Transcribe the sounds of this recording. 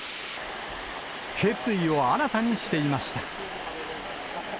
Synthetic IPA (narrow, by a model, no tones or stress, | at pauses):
he̞t͡sɨio̞aanat̪aɲ̟iɕi̥t̪e̞imaɕi̥t̪a